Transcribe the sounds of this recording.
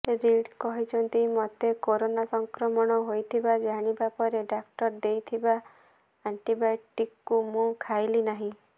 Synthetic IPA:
ɾiɽkɔɦit͡ʃʰɔnt̪imɔt̪ekoɾonasɔŋkɾɔmɔɽ̃ɔɦojt̪ʰibad͡ʒaɽ̃ibapɔɾeɖakʈɔɾd̪ejt̪ʰiba | aɳʈibajʈikːumũkʰajlinaɦĩ

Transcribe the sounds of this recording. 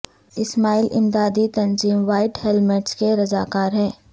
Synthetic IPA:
ɪsmaːilʔɪ̰md̪aːd̪it̪ɐ̃nziːmʋaːɪʈhɛlmɛʈskeɾɐzaːkaːɾɦɛː

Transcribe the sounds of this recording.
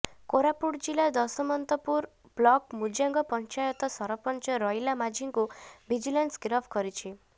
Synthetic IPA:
koɾapuɽd͡ʒilad̪ɔsɔmɔnt̪ɔpuɾ | b̥lɔkmud͡ʒjaŋɡɔpɔnt͡ʃajɔt̪ɔsɔɾɔpɔnt͡ʃɔɾɔjlamad͡ʒʱiŋkubid͡ʒilansɡɾɔbʰkɔɾit͡ʃʰi

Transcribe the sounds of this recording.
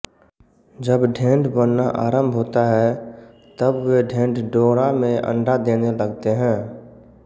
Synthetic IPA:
d͡ʒəbɖʱẽːɳɖbənːaʔaːɾə̃mbʱɦoːt̪aɦɛ | t̪əbʋeɖʱẽːɳɖɖoːɾamẽə̰̃ɳɖad̪eːneləɡt̪eɦɛ̃ː

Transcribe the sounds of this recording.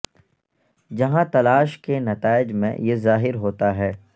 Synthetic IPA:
d͡ʒɐɦãt̪ɐlaːʃkenɐt̪aːɪd͡ʒmḛ̃jezaːɦɪɾɦoːt̪aɦɛː

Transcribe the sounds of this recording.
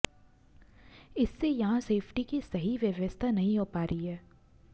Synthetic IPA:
ɪsːejɐɦãseːpʰʈikisɐɦiʋjɐʋəst̪ʰanɐɦĩɦoːpaːɾəiɦɛː

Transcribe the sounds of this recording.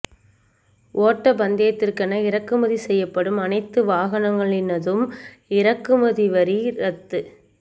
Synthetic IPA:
ʔoːʈːɐbɐnd̪ɪjɐt̪ːɪrkɐnɐɪɾɐkːɯmɐðisɛjːɐpːɐɽɯmɐnɐɪt̪ːɯʋaːɣɐnɐŋɡɐɭɪnɐðɯm | ɪɾɐkːɯmɐðiʋɐɾiɾɐt̪ːɯ

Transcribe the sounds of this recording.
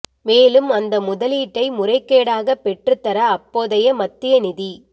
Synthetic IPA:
meːlɯmɐnd̪ɐmʊðɐliːʈːɐɪmʊrɐɪkːeːɽaːɣɐpːɛʈrɯt̪ːɐɾɐːpːoːðɐjɐmɐt̪ːɪjɐnɪði

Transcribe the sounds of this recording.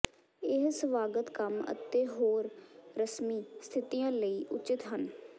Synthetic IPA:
ɪɦsəʋaːɡət̪kəmə̰t̪eːɦoːɾɾəsmiːst̪ʰɪt̪ijãːləiːʔʊt͡ʃɪt̪ɦən

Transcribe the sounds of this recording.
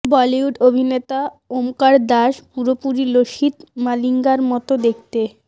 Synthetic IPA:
bɔliuɖobʱinet̪a | omkaɾd̪aʃpuɾopuɾiloʃit̪maliŋɡaɾmɔt̪od̪ek̚ʰt̪e

